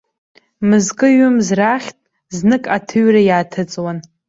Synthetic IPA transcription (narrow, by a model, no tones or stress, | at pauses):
mɨzkʼɨɥʊmzraχʲtʼ | znɨkʼatʰɨɥrajaːtʰɨt͡sʼwan